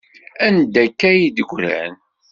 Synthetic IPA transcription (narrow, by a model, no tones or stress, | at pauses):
ænd̪ækːæjid̪əɡʷɾæ̰n